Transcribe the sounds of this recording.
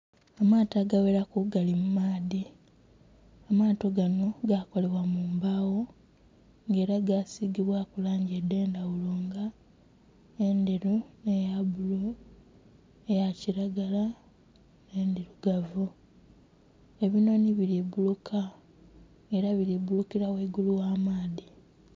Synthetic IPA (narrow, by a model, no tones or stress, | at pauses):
amaːtaɡaweɾakuɡalimumaːði | amaːto̞ɡano̞ɡako̞le̞wamuːmbawo̞ | ŋɡe̞ːɾaɡasiɡiβwakulaːɲɟede̞ːndawuloːŋɡa | endeɾune̞jabulo | ejaciɾaɡala | nendiɾuɡavu | e̞βino̞niβiliβulukʰa | e̞ɾaβiɾiβulukiɾaweɡuluwaːmaːði